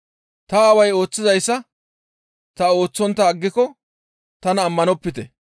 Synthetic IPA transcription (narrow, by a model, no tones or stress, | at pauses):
t̪ɐːwɐjo̞ːt͡sːɪzɐjsːɐ | t̪ɐo̞ːt͡sːɔnt̪ːɐːɡːɪkɔ | t̪ɐnɐːmːɐnɔpːɪt̪ɛ̰